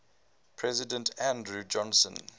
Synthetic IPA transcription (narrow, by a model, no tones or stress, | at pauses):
pʰɹɛzɪdə̃ntʰæ̃ndɹud͡ʒɔ̃nsə̰̃n